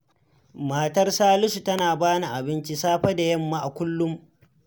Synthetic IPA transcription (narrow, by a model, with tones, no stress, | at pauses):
maː˨tɐ˦rsaː˦lʊ˦ʃu˨tɐ˦naː˨baː˦na˨ʔa˨bɪ˦nt͡ʃi˦saː˦ɸɐ˦da˨jɐ˦mːa˦ʔa˨kʷʊ˦lːʊ˦m